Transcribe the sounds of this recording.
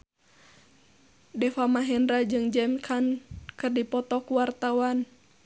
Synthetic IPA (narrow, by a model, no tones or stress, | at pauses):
dɛfamaɦɛnɾad͡ʒɨŋd͡ʒɛmkʰankɨrdipɔt̪ɔkuwart̪awan